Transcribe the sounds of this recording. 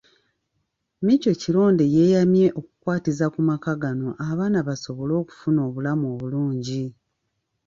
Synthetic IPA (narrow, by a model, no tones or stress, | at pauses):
mico̞cilo̞ːnde̞je̞ːjamje̞ʔo̞ku̥kwaːtizakumakaɡano̞ʔaβaːnaβaso̞βo̞lo̞ːku̥funo̞ːβulamo̞βuluːɲɟi